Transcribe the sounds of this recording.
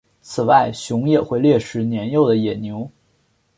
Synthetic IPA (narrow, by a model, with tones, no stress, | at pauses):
t͡sʰɹ̩˨˩wa˥˩ɪɕjʊ˧˥ŋjɛ˨˩xwe˥˧ɪljɛ˥˩ʂɻ̩˧˥njɛ˧˥njo˥˩ʊd̪ə˩jɛ˨˩njo˧˥ʊ